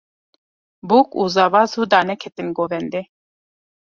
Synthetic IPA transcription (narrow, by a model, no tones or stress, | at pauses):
bukʼuzavazud̪anɛkʰɛt̪ʼinɡɔvɛnd̪i